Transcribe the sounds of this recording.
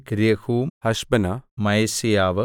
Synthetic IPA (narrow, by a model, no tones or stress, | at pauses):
kɾijɐhuːhɐʃbɐnamɐjsijaːʋɐ